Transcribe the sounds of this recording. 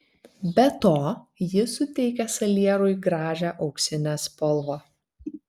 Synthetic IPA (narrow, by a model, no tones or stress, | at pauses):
bʲɛt̪oːjɪsʊt̪ʲɛɪkʲɛsɐlʲiɛɾʊɪɡɾɑːʒʲæʔɒʊksʲɪnʲæspɔlˠʋoː